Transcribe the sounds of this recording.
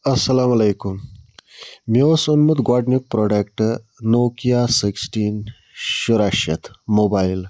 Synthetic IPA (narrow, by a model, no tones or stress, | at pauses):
ɐsɐlaːmɐlejkum | miosunmut̪ɡwaːɖnuk̚pɾoːɖekʈ | noːkijaːsiksʈiːn | ʃuɾaʃjɐt̪ʰmoːbaːjl